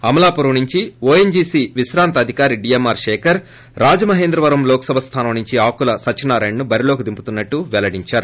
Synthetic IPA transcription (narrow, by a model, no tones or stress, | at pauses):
ɐmɐlaːpuɾɐnuɲt͡ʃioːeɲd͡ʒiːsiːʋiʃɾaːnt̪ɐɐd̪ʱikaːɾiɖiːjemːaːɾʂeːkʰɐɾ | ɾaːd͡ʒɐmɐɦeːnd̪ɾɐʋɐɾɐmlɔːkɐsɐbʱɐst̪ʰaːnɐmnuɲt͡ʃiaːkulɐsɐt͡ʃːɐnaːɾɐːjɳnubɐɾilo̞ːkud̪imput̪unːɐʈːuʋɛlɐɽiɲt͡ʃaːɾu